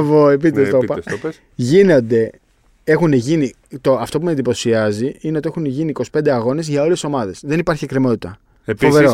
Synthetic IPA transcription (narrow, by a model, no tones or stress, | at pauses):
voepitt̪est̪opɐ | ʝino̞nd̪e̞ | e̞xuneʝini | t̪oɐft̪o̞p̬umend̪ipo̞siɐziineo̞t̪ie̞xuneʝiniːko̞si̥pend̪e̞ɐɣo̞ne̞zʝɐo̞le̞so̞mɐðe̞sðe̞nipɐɾçekɾemo̞t̪it̪ɐ | foveɾo